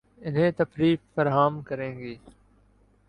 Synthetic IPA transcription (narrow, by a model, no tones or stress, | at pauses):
ɪnɦẽːt̪əfɾiːffəɾɦaːmkəɾẽːŋɡiː